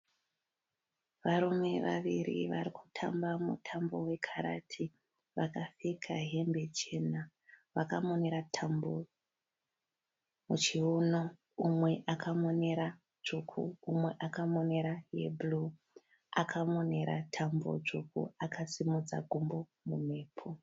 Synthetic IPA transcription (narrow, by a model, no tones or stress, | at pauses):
ʋaɾume̞ʋa̰ʋirḭʋaɾiku̥tʰa̰mbamṵtʰambo̞we̞kʰaɾa̰tʰi | ʋakafikʰaɦembe̞t͡ʃe̞na | ʋakamo̞ne̞ɾatʰambo | mut͡ʃiuno̞ | umwe̞ʔakʰamo̞ne̞ɾa | d͡ʒukʰṵːmwe̞ʔakamo̞ne̞ɾajḛblu | akʰamo̞ne̞ɾa̰tʰambo̰t͡ʂukṵakʰasimud͡za̰ɡʱumbo̞mume̞ːpʰo